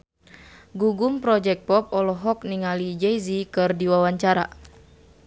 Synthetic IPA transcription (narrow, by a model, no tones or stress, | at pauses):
ɡuɡumpɾɔd͡ʒɛk̚pɔp̚ɔlɔɦɔk̚niŋalid͡ʒɛjzikɨrdiwawaɲt͡ʃaɾa̰